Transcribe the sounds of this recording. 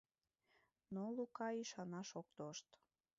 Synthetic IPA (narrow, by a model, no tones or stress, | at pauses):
nolukɑiʃɑnɑʃok̚t̪oʃt̪